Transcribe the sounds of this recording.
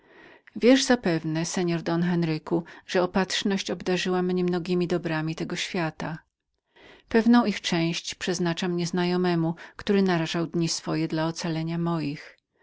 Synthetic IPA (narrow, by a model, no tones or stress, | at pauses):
vʲjɛʐzapɛvnɛsɛɲɔɾd̪ɔnxɛnɾɘkuʐ̥ɛɔpat̪ʂnɔɕt͡ɕɔbd̪aʐɘwamːɲɛmnɔɡʲimʲid̪ɔbɾamʲit̪ɛɡɔɕfʲjat̪a | pɛvnɔ̃w̃ixt͡ʂɛ̃w̃ɕt͡ɕpʂɛznat͡ʂamɲɛznajɔmɛmukt̪uɾɘnaɾaʐawd̪ɲisfɔjɛd̪laɔt̪salɛɲamɔjix